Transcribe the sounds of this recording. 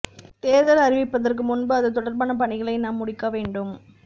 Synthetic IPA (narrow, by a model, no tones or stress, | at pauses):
t̪eːðɐlɐɾɪʋɪpːɐðɐrk̬ɯmʊnbɯɐðɯt̪ɔɽɐɾbaːnɐpɐɳɪɣɐɭɐɪnaːmːʊɽɪkːɐʋeːɳɖɯm